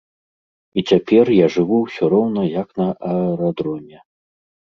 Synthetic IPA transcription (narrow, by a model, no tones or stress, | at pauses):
it͡sʲapʲɛrjaʐɨvuwsʲɔɾɔwnɐjɐknɐʔɐɾad̪ɾɔnʲɛ